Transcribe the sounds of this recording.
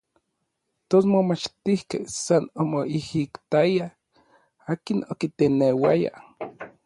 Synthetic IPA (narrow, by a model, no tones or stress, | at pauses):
t̪osmomat͡ʃt̪ihkehsanomoihikt̪aja | aːkinokit̪enewa̰ja̰